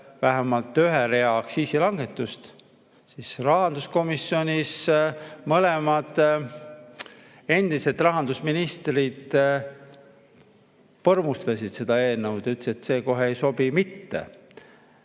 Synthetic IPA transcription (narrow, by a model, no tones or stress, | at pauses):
væɦæmɑlt̪ːˑyɦeɾeɑksiːsilɑŋɡe̞t̪ːˑust̪ | sisrɑɦɑnd̪usko̞misːio̞nʲismɤlemɑd̪̥ | e̞nd̪̥ise̞t̪ːˑrɑɦɑnd̪usminist̪rid̪̥ | pɤrmust̪ɑsid̪̥se̞d̪̥ɑe̞ːnːɤwd̪̥ɑyt̪ːeset̪se̞ːko̞ɦeejso̞b̥imit̪ːḛ